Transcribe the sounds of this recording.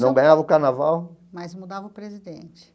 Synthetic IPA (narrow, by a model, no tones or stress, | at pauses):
nɐ̃w̃ɡɐ̃ɲavɐʊkaɾnavawmɐjzmud̪avɐʊpɾezid̪ẽnt͡ʃɪ̥